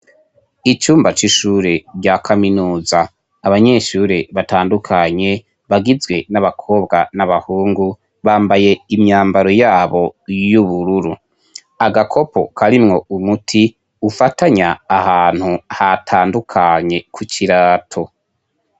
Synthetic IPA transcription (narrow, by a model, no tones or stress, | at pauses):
it͡ʃuːmbat͡ʃiʃuːɾe̞ɟakʰaminuːzaː | βaɲe̞ːʃuːɾe̞βataːndukʰaɲe̞ | βaɡizɡwe̞naβakʰo̞ːbɡanaβahuːŋɡu | βaːmbaje̞imɲaːmbaɾo̞jaːβo̞juβuɾuɾu | aɡakʰo̞po̞̰kʰaɾimŋo̞umutʰi | ufataɲaːhaːn̥huhatʰaːndukʰaɲe̞kʰuciɾaːtʰo̞